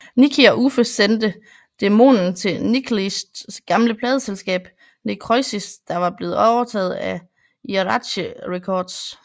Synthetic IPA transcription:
nikʰiɒʔufəsend̥ə | d̥e̝mo̝̰ːnn̩t͡sʰe̝nikʰlisd̥ɡ̥ɑ̈mləpʰlɛːðˠəselsɡ̥ɛ̰ːb̥ | nikʰʁɔɪsisd̥ɑ̈ʋɑ̈b̥le̝ːð̩ˠɒʊɐt͡sʰɛ̰ːð̞̩ˠæ | iʁɑd̥ɕəʁɛkʰɒːd̥s

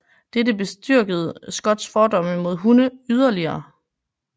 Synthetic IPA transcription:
d̥edəb̥e̝sd̥yɐ̰ɡ̥əð̞̩ˠsɡ̥ɒ̽d̥sfɒːdɒ̽m̰əmo̝ð̞̰ˠɦunəyð̞ˠɐliɐː

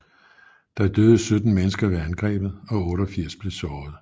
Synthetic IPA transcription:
d̥ɑ̈æd̥øːðˠəsød̥n̩menəsɡ̥ɐʋeænɡ̥ʁɛ̰ːb̥ð̩ˠɒ̽ɔ̽ːɾɒ̽fiɐ̰sb̥le̝sɒːð̞̩ˠ

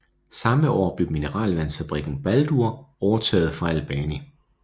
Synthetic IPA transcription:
sɑ̈məɒ̰ːb̥le̝ʊminəʁɑ̰̈ːlʋænfæb̥ʁiɡ̥n̩b̥æld̥uɐɒʊɐt͡sʰɛ̰ːð̞̩ˠfʁɑ̈ælb̥ɛːni

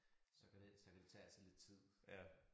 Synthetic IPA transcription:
sɒ̽kʰædesɒ̽kʰæd̥e̝t͡sʰɛ̰ːælsle̝d̥̚t͡sʰið̰ˠ

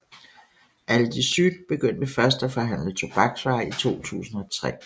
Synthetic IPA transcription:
ʔæləd̥isyd̥b̥e̝ɡ̥øn̰d̥mefɶɐsd̥æfɒ̽ɦæn̰lət͡sʰo̝b̥ɑ̈ɡ̥sʋɑ̈ɪit͡sʰo̝̰ːt͡sʰṵːsn̩ɒ̽t͡sʰʁɛ̰ː

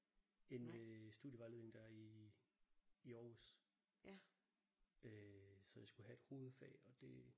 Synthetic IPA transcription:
e̝nøsd̥uðˠjəʋɑ̈le̝ðˠne̝ŋd̥æɐi | ɒːʋəs | øsɒ̽jäsɡ̥uhæe̝d̥ho̝ːð̩ˠfɛ̰ːɒ̽d̥e̝

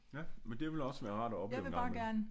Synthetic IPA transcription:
jæmend̥e̝ʋe̝lɒ̽sʋæːɐʁɑ̰̈ːd̥æɒ̽b̥jɑḛʊʋeɡbɑ̈ːɡ̥æɐnə

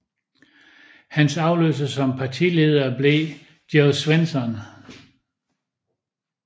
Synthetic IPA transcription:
hænsɑ̈ʊløsəsɒ̽mpʰɑ̈t͡sʰḭle̝ːð̞ˠɐːble̝ | d̥josʋensɒn

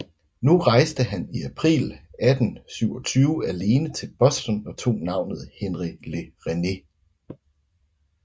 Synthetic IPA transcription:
nuʁɑ̈ɪsd̥əɦæniæpʰʁḭːlæd̥n̩syʊɒ̽t͡sʰyːʊəæle̝ːnət͡sʰe̝lb̥ɒ̽sd̥ɒnɒ̽t͡sʰo̝̰ːnɑ̈ʊ̰nð̞̩ˠhenʁile̝ʁene̝

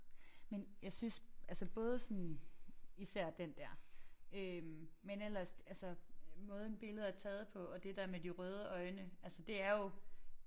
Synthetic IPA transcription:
menjɑ̈ɪsynsʔælsəb̥ɔ̽ːð̞ˠəsɒ̽n | isæɐ̰d̥end̥æɐ̰ømmenel̰ɐsælsəmɔ̽ːð̞ˠn̩b̥e̝ləð̞̩ˠæɐt͡sʰɛːð̞̩ˠpʰɒ̽ɒ̽d̥e̝d̥æɐ̰med̥iʁœːð̞ˠəʔɒ̽ɪnəælsəd̥e̝æɐjo̝

